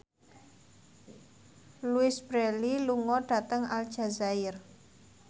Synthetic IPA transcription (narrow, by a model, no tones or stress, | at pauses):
luɪsb̥ɾɛliluŋɔɖ̥a̤t̪əŋald̥ʒ̥a̤zaɪr